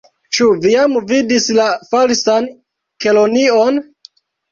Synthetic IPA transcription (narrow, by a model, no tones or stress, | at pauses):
t͡ʃuviamvidislafalsan | ke̞lonio̞n